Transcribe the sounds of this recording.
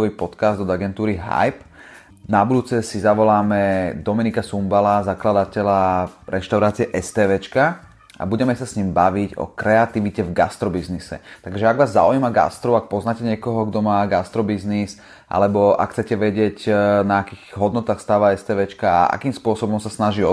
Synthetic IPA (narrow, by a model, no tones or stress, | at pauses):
ɔʋipɔt̪kazd̪ɔd̪aɡɛnt̪uːɾiɦa̰jp | nabud̪uːt͡sɛsizaʋɔlaːmɛd̪ɔmɛnikasumbalazaklad̪atɛlaɾɛʃt̪aʊɾaːt͡siɛʔɛst̪ɛːʋɛːt͡ʃka | a̰buɟɛmɛsasɲiːmbaʋiɟɔ̰kɾɛat̪iʋicɛvɡa̰st̪ɾɔbiznisɛ̰t̪aɡʒɛaɡʋaːzːa̰ujimaɡa̰st̪ɾɔak̚pɔznaːcɛɲɪɛkɔɦɔɡd̪ɔmaːɡast̪ɾɔbiznis | ʔa̰lɛbɔa̰kxt͡sɛcɛʋɛɟɪɛɟnaakiːɣɦɔd̪nɔt̪aːxst̪aːʋaɛst̪ɛːʋɛt͡ʃkaa̰a̰kiːmspʊɔsɔbɔmsasnaʒiɔ